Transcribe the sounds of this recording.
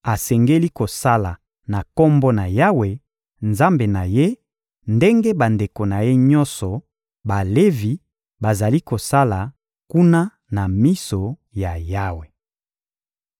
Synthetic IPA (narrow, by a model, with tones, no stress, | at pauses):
a˨sɛ˨ŋɡe˦li˦ko˨sa˦la˨ | na˨kɔ˦mbɔ˦na˨ja˦we˨ | nza˦mbe˨na˨je˦ | nde˦ŋɡe˦ba˨nde˨ko˨na˨je˦ɲɔ˦nsɔ˨ | ba˨le˦vi˨ | ba˨za˨li˦ko˨sa˦la˨ | ku˦na˦ | na˨mi˦so˨ | ja˨ja˦we˨